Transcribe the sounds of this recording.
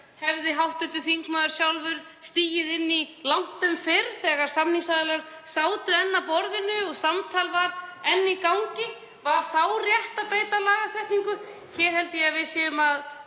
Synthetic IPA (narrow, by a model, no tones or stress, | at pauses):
hɛvðɪɦawht̪ʏɾ̥t̪ʏθiŋkmaːðʏɾ̥sjawlvʏɾ̥ | st̪iːjɪðɪnːilawŋ̥t̪ʏmfɪɾθɛːɣaɾ̥samniŋsaðɪlaɾ | saːwt̪ʏɛnːapɔɾðɪnʏɔɣsamt̪ʰaːlvaɾɛnːikawŋcɪ | vaɾθawrjɛht̪apeːjt̪alaːɣasɛht̪niŋkʏ | çɛːɾ̥hɛlt̪ɪjɛvɪðsjɛːʏmað